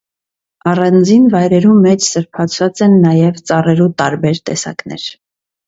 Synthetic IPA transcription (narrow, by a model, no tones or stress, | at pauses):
ɑrɑnd͡zinvɑjɾɛɾumɛt͡ʃʰsəɾpʰɑt͡sʰvɑt͡sɛnːɑjɛvt͡sɑrɛɾut̪ɑɾbɛɾt̪ɛsɑ̰knɛ̰ɾ